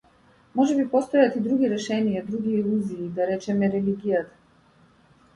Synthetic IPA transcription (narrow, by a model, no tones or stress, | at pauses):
mɔʒɛbipɔst̪ɔjat̪id̪ɾuɡʲiɾɛʃɛnijad̪ɾuɡiːlˠuziːd̪aɾɛt͡ʃɛmɛɾɛliɡijat̪ḁ